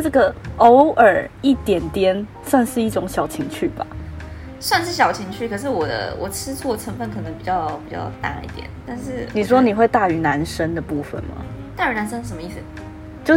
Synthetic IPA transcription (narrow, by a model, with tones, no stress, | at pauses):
ʈ͡ʂɤ˥˩ɡə˩o˧˥ʊə˞˨˩i˥˩t̪jɛ˨˩nt̪jɛ˥n | swa˥˧nʂɻ̩˥˧i˥˩ʈ͡ʂʊ˧˥ŋɕjɑ˨˩ʊt͡ɕʰi˧˥ŋt͡ɕʰy˥˩ba̰˨˩ | swa˥˧nʂɻ̩˥˩ɕ̬jɑ˨˩ʊt͡ɕʰi˧˥ŋt͡ɕʰy˥˩kʰɤ˨˩ʂ̬ɻ̩˥˩wɔ˨˩d̪ə̰˧˦wɔ˨˩ʈ͡ʂʰɻ̩˥t͡sʰwɔ˥˩ʈ͡ʂʰə˧˥ŋfə˧˩nkʰɤ˨˩nɤ˧˦ŋpi˨˩t͡ɕjɑ˥˧ʊpi˨˩t͡ɕjɑ̰˥˧ʊt̪a̰˥˧˩ḭ˥˩t̪jɛ̰˨˩˦nt̪a˥˧nʂɻ̩˥˧ni˨˩ʂ̬wɔ˥ni˨˩xwe˥˧ɪt̪a˥˩y˧˥na˧˥nʂə˥ŋd̪ə˨pu˥˩fə̰˨˩nmɐ̰˨˩t̪a˥˩y˧˥˩na˧˥nʂə˥ŋ̩˥˩ʂə˧˩˦mə˧i˥˩sɨ˨˩ | t͡ɕjo˥˧ʊ